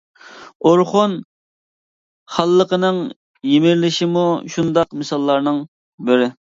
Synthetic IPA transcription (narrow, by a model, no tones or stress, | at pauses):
oɾχon | χɑlˠːəqənɨŋ | jemɪɾlɪʃimuʃund̪ɑqmɨsɑlˠːɑɾnɨŋ | bɪɾɪ